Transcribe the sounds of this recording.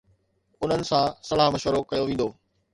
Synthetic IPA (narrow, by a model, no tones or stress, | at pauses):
ʊn̤ənɪ̆sãsɐlaːɦmɐʃʋəɾokɐjoʋĩːn̆d̪oː